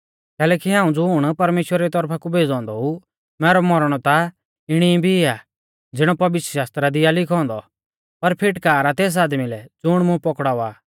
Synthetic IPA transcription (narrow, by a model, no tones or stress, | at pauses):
kɛːlɛːkiɦãːũd͡zʊɽ̃pɐɾmeːʃwɾaɾit̪ɔɾpʰakubʱeːd͡zɔ̃ːnd̪ɔu | mɛːɾɔmɔɾɽ̃ɔt̪a | ɪɽ̃ibʱiɪa | d͡zɪɽ̃ɔpɐʋɪt̪əʃaːst̪ɾad̪ɪjalɪkʰɔ̃ːnd̪ɔ | pɐɾpʰɪʈkaːɾat̪eːs̬aːd̪milɛd͡zʊɽ̃mʊ̃pɔkɽaːaː